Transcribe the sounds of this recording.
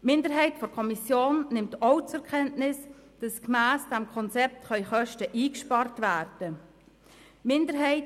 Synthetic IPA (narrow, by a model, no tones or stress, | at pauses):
mɪndəɾɦɛɪtfɔɾkʰɔmisjoːnːɪmtɔʊt͡sɛɾkʰɛntnɪsd̥ɑskmæːsd̥ɛmkʰɔnt͡sɛp̚tχœʏχœʃtəʔiːkʃpɑrtvæːrd̥ə | mɪndəɾɦɛɪ